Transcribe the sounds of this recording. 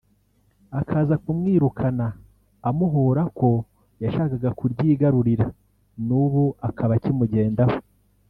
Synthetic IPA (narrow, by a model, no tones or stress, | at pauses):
akʰaːzakumŋiːɾukʰanaː | muɦoɾako̞ | jaʃaːkaɡakuɾɟiːɡaɾuɾiɾa | nuβuakʰaβacimuɟe̞ːndaho̥